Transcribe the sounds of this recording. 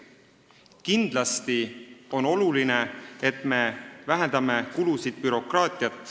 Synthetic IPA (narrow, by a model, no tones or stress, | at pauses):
kind̪̥lɑst̪io̞no̞luline̞et̪ˑme̞væɦend̪̥ɑme̞kulusid̪̥̚pyɾo̞krɑːt̪ʲˑiɑt̪ːˑ